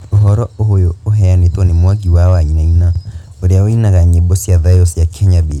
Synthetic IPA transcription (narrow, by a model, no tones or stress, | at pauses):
oɦɔɾɔoɦojoːɦɛanetɔnemwaɡiwawaɲinainaoɾeaoinaɣaɲebosjaðajosiakʰɛɲabe